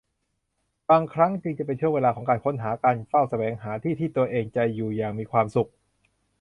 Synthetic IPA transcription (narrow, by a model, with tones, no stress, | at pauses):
baː˧ŋkʰɾa˦˥ŋt͡ɕɯ˧ŋt͡ɕa˨˩p̬e˧nt͡ɕʰu˥˩əŋweː˧laː˧kʰɔː˩˦ŋkaː˧nkʰo˦˥nɦaː˩˦kaː˧nfa˥˩wsa˧wɛː˨˦ŋɦaː˩˦t̪ʰiː˥˩t̪ʰiː˥˩t̪u˧ɐʔeː˧ŋt͡ɕa˨˧juː˨˩jaː˨˩ŋmiː˧kʰwaː˧msu˨˩k̚